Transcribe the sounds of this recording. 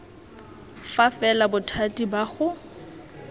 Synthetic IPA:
fafɛlabʊtʰatʼibaɣʊ

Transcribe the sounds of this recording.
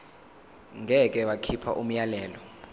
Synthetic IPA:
ŋʱɛk̬ʼɛwakʰipʰa̰ʔum̩jalɛːlɔ

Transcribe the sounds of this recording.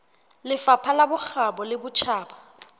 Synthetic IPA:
lɪfapʰalabʊxabɔlɪbʊt͡ʃʰaːba

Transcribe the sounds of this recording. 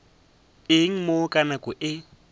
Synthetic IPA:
ɪŋ̩mokʼanakʼʊʔɪ

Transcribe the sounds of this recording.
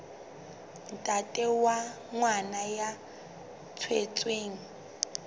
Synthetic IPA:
n̩tʼatʼɛwa | ŋwanaja | t͡sʰwet͡sʼweːŋ̩

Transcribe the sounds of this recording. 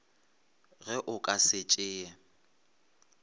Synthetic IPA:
ɣɛʔʊkʼasɪt͡ʃʼɪːɛ

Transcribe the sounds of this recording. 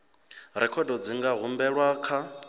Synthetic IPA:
ɾɛkʰɔdɔd͡ziŋɡaɦumbɛɺwakʰa

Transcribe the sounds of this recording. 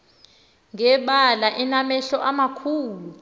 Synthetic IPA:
ŋɛɓalaʔinamɛɬɔʔamakʰuːlu

